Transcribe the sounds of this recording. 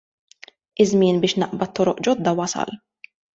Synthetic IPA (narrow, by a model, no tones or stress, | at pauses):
ɪzmɪːnbɪːʃnɐʔbɐt̪ːɔɾɔʔd͡ʒɔd̪ːɐwɐsɐ̰l